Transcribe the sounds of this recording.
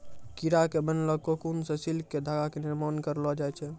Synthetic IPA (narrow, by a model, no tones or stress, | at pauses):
kiɾakebənlɔkokunsẽsilkːed̪ʱaɡakeniɾmankəɾlɔd͡ʒajt͡ʃʰɛ